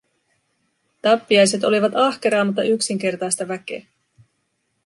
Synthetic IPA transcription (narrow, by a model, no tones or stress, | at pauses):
t̪ɑpːiɑjse̞t̪o̞liʋɑt̪ɑhke̞ɾɑːmɑt̪ːɑʔyksiŋk̟e̞rt̪ɑjst̪ɑʋæk̟e̞̰ː